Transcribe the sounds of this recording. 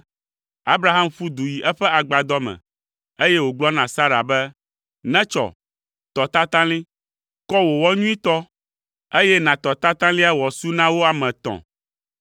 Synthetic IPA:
a˦bɾa˦ɦa˦mfu˦d̪u˨ji˨ʔɛ˦ɸɛ˦a˨ɡ͡ba˨d̪ɔ˦mɛ̰̃˨ | e˦jɛ˦wo˨ɡ͡blɔ˦nã˨sa˦ɾa̰˨bɛ˦ | nɛ̃˦t͡ʃɔ̰˨ | t̪ɔ˨t̪a˦t̪ã˦lĩ˦ | kɔ˦wo˨wɔ˦ɲũ˦ĩ˦t̪ɔ˦ | e˦jɛ˦nã˨t̪ɔ˨t̪a˦t̪ã˦lĩ˦a˦wɔ˨su˦nã˦wo˦a˨mɛ̃˨t̪ɔ̰̃˨

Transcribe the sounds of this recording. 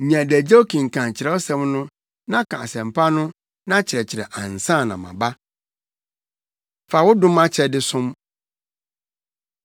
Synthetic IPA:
ɲã˨dæ˨d͡ʑe˦o˦kʰĩ˨ŋ̩˨kʰã˨t͡ɕʰɪ˨ɛ˦ɔ˦sɛ̃˦mnʊ̃˦ | nã˦kʰã˨a˨sɛ̃˨m̩˨pʰa˦nʊ̃˦ | nã˦t͡ɕʰɪ˨ɾɛ˨t͡ɕʰɪ˨ɾɛ̰˨ʔã˨n˨sã˦˨nã̰˨mã̰˨ba˦ | fa˨wʊ˦dʊ̃˦mã˦t͡ɕʰɛ˨dɪ˦sʊ̃˦m

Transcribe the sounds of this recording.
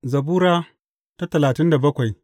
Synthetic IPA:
zɐ˨buː˦ɾaː˦ | ta˦tɐ˨laː˨tɪ˦nda˨bɐ˦kʷa˨j

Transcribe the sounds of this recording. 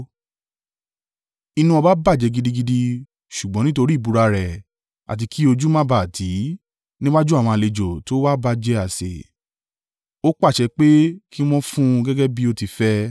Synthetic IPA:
i˧nũ˧ɔ˧ba˦ba˦˨d͡ʒɛ˨˧ɡi˧di˦ɡi˧di˧ | ʃu˨ɡ͡bɔ̃˨˦nĩ˦to˧ɾi˦˨bu˨˧ɾa˧ɾɛ˨ | a̰˨t̬i˧kʰi˦o˧d͡ʒu˦mã˦ba˦˨tʰi˨˦ | nĩ˦wa˦d͡ʒu˦a˦˨w̃ɔ̃˧a˨le˨d͡ʒo˨to˨˦wa˦ba˧d͡ʒɛ˧˦a˨sḛ˨ | o˦k͡pa˦˨ʃɛ˧k͡pe˦kʰi˦w̃ɔ̃˦fũ˦ɡɛ˦ɡɛ˦bi˦o˧ti˧fɛ˦

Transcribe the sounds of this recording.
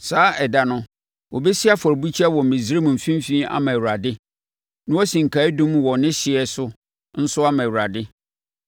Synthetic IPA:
saː˨˦ʔɛ˨da˨nʊ̃˦ | wʔɔ˨bɛ˦si˦a˦fɔ˨ɾbu˦t͡ɕʰi˦a˦wɔ˨m̩˨mĩ˨zi˦ɾe˦mũ˨m̩˨fĩ˦m˦fĩː˦a̰˦mã˨wɾa˨dɪ˦ | nʊ̃˦wɔ˦sĩ˨ŋ̩˨kʰa˨˦dũ˦mwɔ̃˨nɪ̃˦ɕɪ˨ɛ˨sʊ˦ | n̩˦sʊ˦a˦mã˨wu˨ɾa˨dɪ˦

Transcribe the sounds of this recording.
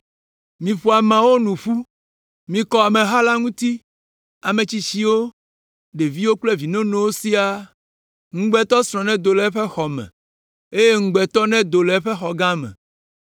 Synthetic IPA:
mĩ˨ɸo˨a˨mã˨wo˦nũ˨ɸu˦ | mĩ˨kɔ˨a˨mɛ̃˨ɦa˦la˦ŋũ˦t̪i˦ | a˨mẽ˨t͡ɕi˦t͡ɕi˦wo˦ | ɖe˨vi˦wo˦k͡plɛ˦vi˨nõ˦nõ˦wo˦si˦a˦ | ŋ̩̃˦ɡ͡bɛ˨t̪ɔ˦sɾ̃ɔ̃˨nɛ̃˦d̪o˨lɛ˦ɸɛ˦xɔ˨mɛ̰̃˨ | e˦je˦ŋ̩˦ɡ͡bɛ˨t̪ɔ˦nɛ̃˦d̪o˨lɛ˨˦ɸe˦xɔ˨ɡã˦mɛ̰̃˨

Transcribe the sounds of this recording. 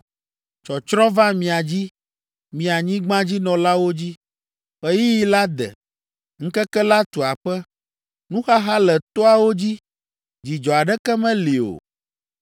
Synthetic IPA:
t͡ʃɔ˨t͡ʃɾɔ̃˦va˦mĩ˨a˨d͡ʑi˦ | mĩ˨a˨ɲĩ˦ɡ͡bã˦d͡ʑi˦nɔ̃˨la˦wo˦d͡ʑi˦ | ɸɛ˦ji˦ji˦la˦d̪ɛ̰˨ | ŋ̩˦kɛ˦kɛ˦la˦t̪u˨a˨ɸɛ˦ | nũ˦xa˦ɦa˦lɛ˨t̪ɔ˦a˨wo˦d͡ʑi˦ | d͡ʑi˨d͡ʒɔ˨a˨ɖɛ˦kɛ˦mɛ̃˦li˨o̰˨

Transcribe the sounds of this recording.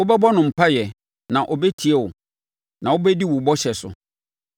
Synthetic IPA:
ʊ˦bɛ˦bɔ˦nʊ̃˨m̩˨pʰa˦jɛ˨ | nã˨ʔɔ˨bɛ˦tʰi˨ɛ˦wʊ˨ | nã˨wʊ˦bɛ˦di˦wʊ˨bɔ˦ɕɛ˨sʊ̰˨

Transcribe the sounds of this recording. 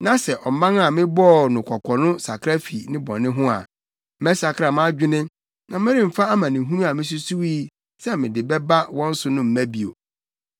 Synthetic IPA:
nã˨sɛ˨ʔɔ˨m̩˨˦mã˦n˦a˨mɪ̃˦bɔ˦˨nʊ̃˨kʰɔ˨kʷʰɔ˨nʊ̃˦sa˨kʰɾa˦fi˨nɪ̃˦bɔ̰̃˨nɪ̃˦ɦʊ̃˦a̰˨ | mɛ̃˦sa˨kʰa˨mã˦d͡ʑᶣu˦nɪ̃˦ | nã˨mɪ̃˦ɾɪ̃˦m̩˨fa˦a˦mã˨nɪ̃˨ɦũ˦ɾũ˦a˨mɪ̃˦s̬u˦su˦wiː˦ | sɛ˦mɪ̃˨dɪ˨bɛ˦ba˦wɔ̃˦n̩˦sʊ˨nʊ̃˦m̩˨mæ̃˦bi˨o̰˨

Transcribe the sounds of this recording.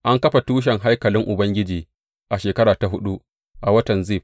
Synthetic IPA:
ʔa˦ŋkɐ˦ɸa˨tuː˦ʃ̬ɛ˨ŋɦa˦jkɐ˨lɪ˦ŋʔʊ˨bɐ˦ŋɡʲɪ˦d͡ʒiː˨ | ʔa˨ʃeː˨kɐ˦ɾaː˨ta˨ɦʊ˦ɗu˦ʔ | ʔa˨wɐ˦tɐ˨nziː˦˨ɸ

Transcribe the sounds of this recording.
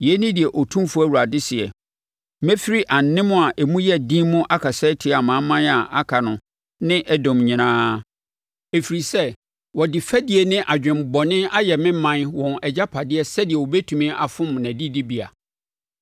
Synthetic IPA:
jɛ˨˦nɪ̃˦dɪ˨ɛ˨ʔɔ˨tʰũ˦mfu˦æ˦wu˨ɾa˨dɪ˦sɪ˨ɛ̰˨ | mɛ̃˦fi˦ɾi˦ʔã˨n̩˨nɪ̃˦mʊ̃˦a˨ʔɛ˨mũ˦jɛ˦dĩ˦mʊ̃˦ʔa˦kʰa˨sɛ˦tʰɪ˦a˨mã˨˦mã˦na˨ʔa˦kʰa˨nʊ̃˨ | nɪ̃˦ʔɛ˦dɔ̃˨mɲĩ˨nãː˦ | e˨fi˨ɾi˨sɛ˦ | wɔ˨dɪ˨fæ˦di˨ɛ˨nɪ̃˦ʔa˨d͡ʑᶣɪ̃˨mbɔ˨nɪ̃˦a˦jɛ˨mɪ̃˦mã˦nwɔ̃˨nɛ˨d͡ʑa˦pʰa˨dɪ˦ɛ˦sɛ˦dɪ˨ɛ˨wɔ˨bɛ˦tʰũ˨mĩ˦ʔa˨fʊ̃˦mnæ̃˨di˦di˦bi˨a̰˨

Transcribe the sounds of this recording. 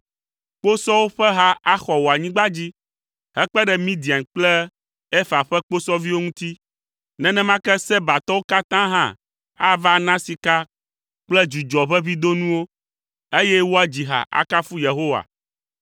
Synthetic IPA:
k͡po˦sɔ˦wo˦ɸɛ˦ɦa˦ʔa˦xɔ˨wo˨a˨ɲĩ˦ɡ͡ba˦d͡ʑi˦ | hɛ˦k͡pɛ˦ɖɛ˨mĩ˦d̪i˨a˨nk͡plɛ˦ | ɛ˦fa˨ɸɛ˦k͡po˦sɔ˦vi˦wo˦ŋũ˦t̪i˦ | nɛ̃˦nɛ̃˦mã˦kɛ˦sɛ˦ba˨t̪ɔ˦wo˦ka˦t̪ã˦ɦã̰˦ | a˦va˦nã˦si˨ka˦ | k͡plɛ˦d͡ʒu˨d͡ʒɔ˨ɸɛ˦vi˦d̪o˦nũ˦wo˦ | e˦jɛ˦wo˦a˦d͡ʑi˨ɦa̰˨ʔa̰˨ka˦fu˦je˨ɦo˦wa̰˨

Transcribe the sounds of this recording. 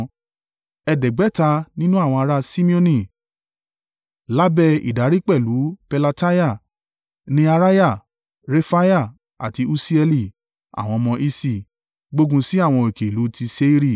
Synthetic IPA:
ɛ˧dɛ˨ɡ͡bɛ˨˦ta˧nĩ˦nũ˦a˦˨w̃ɔ̃˧a˧ɾa˦si˦mĩ˦õ˧nĩ˦˨ | la˦bɛ˧ḭ˨da˨˦ɾi˦k͡pɛ˦˨lu˨˦pɛ˧la˧ta˦ja˦˨ | nĩ˦a˧ɾa˦ja˦˨ | ɾe˧fa˦ja˦˨ | a̰˨ti˧u˧si˦ɛ˧li˧˨ | a̰˨w̃ɔ̃˧mɔ̃˧ʔi˧si˧˨ | ɡ͡bo˦ɡũ˧si˦a˦˨w̃ɔ̃˧e˨ke˨lu˨˦ti˧se˦i˦ɾi˦˨

